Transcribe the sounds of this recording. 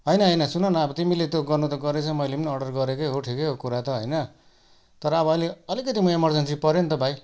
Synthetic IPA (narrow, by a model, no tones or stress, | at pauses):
ɦʌjnʌɦʌjnʌsunʌnʌʌbʌt̪imilet̪joɡʌrnut̪ʌɡʌɾet͡sʰʌmʌjleimniʌɖʌrɡʌɾekeɦoʈʰikeokuɾat̪ʌɦʌjnʌ | t̪ʌɾʌːbʌʌjleʌlikʌt̪imʌemʌrd͡zʌnsipʌɾend̪ʌpaj